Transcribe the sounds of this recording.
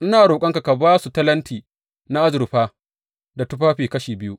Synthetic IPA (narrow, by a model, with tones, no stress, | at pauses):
ʔɪ˦naː˨ɾoː˨kʷʼɐ˦ŋka˨ka˨baː˦su˨tɐ˦lɐ˦ntiː˨ | na˦ʔa˦zɪ˨ɾɸaː˦ | da˨tʊ˦ɸaː˦ɸiː˨kɐ˦ʃiː˨bɪ˦ju˦ʔ